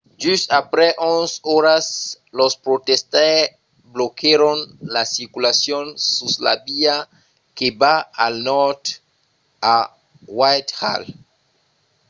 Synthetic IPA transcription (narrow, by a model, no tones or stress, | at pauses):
d͡ʒusapɾɛʔonsoɾas | lospɾot̪est̪a | blokeɾonlasiɾkulasjonsusla̰bia | kebaalnɔɾt̪ | a | wajt̪ha̰l